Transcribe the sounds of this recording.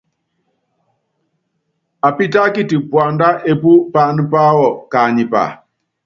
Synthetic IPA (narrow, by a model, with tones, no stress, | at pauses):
a˨pi˦ta˦ki˦ti˨pwa˨nda˦ʔe˦pu˦pa˨ni˦pa˦wɔ˨ka˨ɲi˨pa̰˨